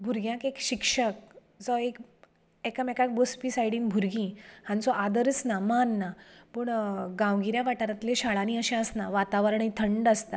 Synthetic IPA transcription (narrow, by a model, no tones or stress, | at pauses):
bʱuɾɡjãkekɕikʂək̚ | d͡zɔek | ɛkəmɛkak̚bospisajɽiːnbʱuɾɡĩhãnt͡sɔʔad̪əɾət͡snamanːapəɳɡãwɡiɾjaʋaʈaɾat̪leɕaɭanĩəɕẽəsnaʋat̪aʋəɾəɳĩt̪ʰəɳɖast̪a